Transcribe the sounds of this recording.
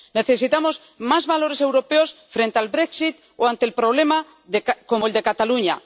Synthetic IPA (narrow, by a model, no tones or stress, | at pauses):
ne̞θesit̪amo̞z | mazβalo̞ɾese̞wɾo̞pe̞osfɾent̪ealβɾeksit̪ | oant̪elpɾoβ̞le̞ma | ðeko̞moeld̪e̞kat̪aluɲa̰